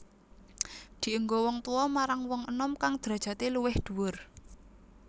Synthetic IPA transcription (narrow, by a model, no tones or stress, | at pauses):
d̪̥i̤ʔuŋɡowɔŋt̪uwɔmaɾaŋwɔŋənɔmkaŋd̪̥ɾa̤d̥ʒ̥ä̤t̪eluwɪhd̪̥ṳwʊr